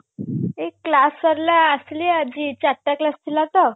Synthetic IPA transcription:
ekːlaskəɾlaəsliad͡ʑit͡ɕaɾʈːjaklast̪ʰilat̪ə

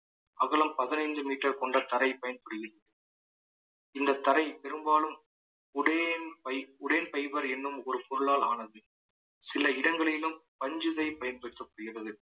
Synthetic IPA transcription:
ʔɐɣɐɭɐmpɐðɪnɐɪɲd͡ʒɯmiːʈːɐɾkɔɳɖɐt̪ɐɾɐɪpɐjɐnpɐɽɯɣɪrɐðɯ | ɪnd̪ɐt̪ɐɾɐɪpɛɾɯmbaːlɯm | ʊɽenpɐɪʊɽeːnpɐɪbɐɾɛnːɯmɔɾɯpɔɾɯɭaːlaːnɐðɯ | sɪlɐɪɽɐŋɡɐɭɪlɯmpɐɲd͡ʒɯðɐɪpɐjɐnpɐɽɯt̪ːɐkːʊɽɪɣɪrɐðɯ

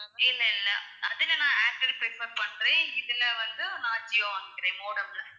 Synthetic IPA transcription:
ɪlːɐɪlːɐʔɐðɐnɐnãːaːk̚ʈɪɾpɾɪfpɐɾpɐɳːɾẽːɪðɪlɐʋɐnd̪ɯnaːt͡ʃːɪjõʋaːŋɡ̪ɪkːɪɾẽːmoːɽɐmlɐ

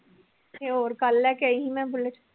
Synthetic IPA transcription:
eoːɾkɐlːɛkeiɦĩmɛ̃bʊlet͡ʃʰ

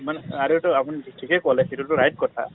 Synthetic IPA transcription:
manaɹutʊapuniitʰikɛkɔlɛsitutʊɹajt̚kɔtʰa̰

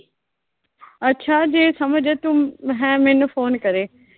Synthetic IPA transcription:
ɐtːɕʰad͡ʑeːsɐməd͡ʒət̪uɦɛ̃mɪ̃nfoːnkɐɾeː

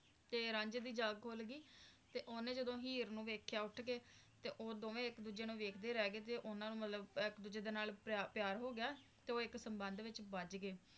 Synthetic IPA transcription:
t̪eːɾãːɲd͡ʒed̪iːd͡ʒaːɡkʰoːlɡiːt̪eːʔoːnẽːd͡ʒəd̪õːɦiːɾnũːʋeːkʰjaːʊʈʰɡeː | t̪eːʔoːd̪oːʋẽːɪkd̪uːd͡ʒeːnũːʋeːkʰd̪eːɾɛːɡeːt̪eːʔʊnãːnũːmət̪ləbɪkd̪uːd͡ʒeːd̪eːnaːlpaːpjaːɾɦoːɡɪjaː | t̪eːoːɪksəmbənd̪ʋɪt͡ʃbəd͡ʒɡeː

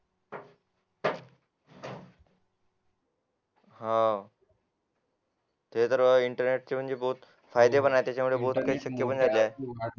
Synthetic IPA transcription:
ɦã | t̪et̪əɾʋəiɳʈəɾneʈ̚t͡ɕem̤əɳd͡zebəɦut̪ | fajd̪ebənajet̪jat͡ɕamuɭeboɦut̪kaiɕəkjəbəɳd͡zalae

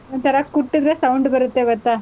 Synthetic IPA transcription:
ɔnt̪ʰɐɾɐkuʈːid̪ɾesɐwɳɖbɐɾut̪ːeɡɔt̪ːaː

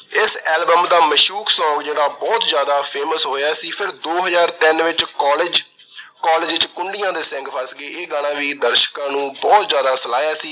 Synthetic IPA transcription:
ɪsɛːlbəmd̪aːməʃuːksɔ̃ːŋɡd͡ʒeːɽaːbɔːt̪zjaːd̪aːpʰeːməsɦoːjaːsiːpʰɪɾd̪oːɦəzaːɾt̪ɪnʋɪt͡ʃkɔːlɪd͡ʒ | kɔːlɪːd͡ʒɪt͡ʃkʊɳɖɪjãːd̪eːsɛ̃ŋɡpʰəsɡeːʔeːɡaɽ̃ãːʋiːd̪əɾʃkãːnũːbɔːt̪zjaːd̪aːsəlaːjaːsiː

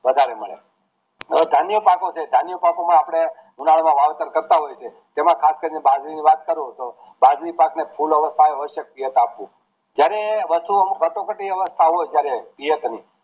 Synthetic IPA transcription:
ʋəd̪ʱaɾeməɭḛ | d̪ʱanijəpakot͡ʃʰed̪ʱanijəpakomə̃apɽ̃eɡunaɭmãʋaʋet̪əɾkəɾt̪aɦojt͡ʃʰe | t̪emãkʰaskəɾinebad͡ʒɾiniʋat̪kəɾũt̪o | bad͡ʒɾipaknepʰuləʋəst̪ʰaeəʃək̚pijət̪apːũ | d͡ʒjaɾeʋəst̪umkəʈõkəʈiəʋəst̪ʰaɦojd͡ʒjaɾepijət̪ni

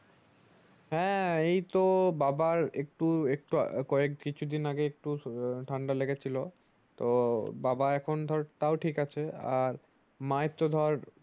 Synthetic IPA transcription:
ɦɛ̃ejt̪obabaɾek̚ʈuek̚ʈukɔek̚kit͡ɕʰud̪inaɡeek̚ʈuʈʰaɳɖaleɡet͡ɕʰilo | t̪obabaɛkʰond̪ʱɔɾt̪aoʈʰikat͡ɕʰeaɾ | majt̪ːod̪ʱɔɾ

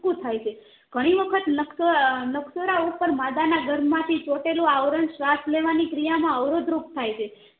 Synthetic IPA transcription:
kũt̪ʰajt͡ʃʰe | ɡ̥ʱəɽ̃iʋəkʰət̪nəksonəksoɾaupəɾmad̪anaɡəɾmːãt̪ʰit͡ʃoʈelũaʋɾəɳʃʋasleʋanikɾijamãəʋɾod̪ɾuk̚t̪ʰajt͡ʃʰe

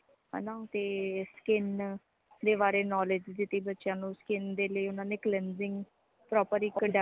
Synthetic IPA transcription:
ɦɛ̰nãːt̪eːskɪn | d̪eːβaːɾeːnɔːlɪd͡ʒd̪ɪt̪ːiːbətːʃjãːnũːskɪnd̪eːləiːʊnãːneːklɛnzɪ̃ŋɡ | pɾɔːpəɾiːkəɖ

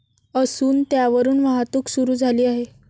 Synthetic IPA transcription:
əsuːnt̪jaʋəɾuːnʋaɦat̪uːksuɾuːd͡zʱaliːaɦe

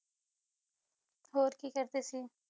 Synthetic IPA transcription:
ɦoːɾkiːkəɾd̪eːsiː

